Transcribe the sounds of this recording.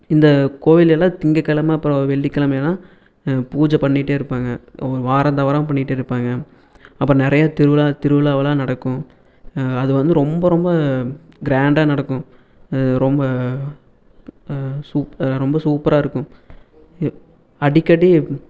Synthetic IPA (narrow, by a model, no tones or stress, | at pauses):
ɪnd̪ɐkoːʋɪlɐlːãːt̪ɪŋɡɐkːɐlɐmɐɐpːɾõʋɛɭːɪkːɐɭɐmelãː | puːd͡ʒɐpɐɳːɪʈːeːɪɾɯpːaːŋɡɐɾɯʋaːɾɐnt̪ɐʋɐɾɐ̃mpɐɳːɪʈːeːɪɾɯpːaːŋɡɐ | ɐpːɾɔ̃nɪɾɐjat̪ɪɾɯʋɯlaːt̪ɪɾɯʋɯlaːʋɐlãːnɐɽɐkːʊ̃ | ɐðɯʋɐnd̪ɯɾɔmbɐɾɔmbɐ | ɡɾaːɳɖaːnɐɽɐkːʊ̃ | ɾɔmbɐ | suːpɾɔmbɐsuːpɾaːɪɾɯkːʊ̃ | ɐɽɪkːɐɽi